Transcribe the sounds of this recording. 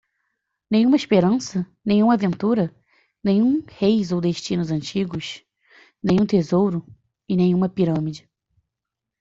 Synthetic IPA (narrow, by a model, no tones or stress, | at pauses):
nẽɲ̃ũmɐiʃpeɾɐ̃sɐ | nẽj̃ũmɐavẽnt̪uɾɐ | nẽjɲũhejzowd̪eʃt͡ʃĩnʊzɐ̃nt͡ʃiɡʊs | nẽɲ̃ũt̪ezowɾʊ | ɪnẽjɲ̃ũmɐpiɾɐ̃mid͡ʒɪ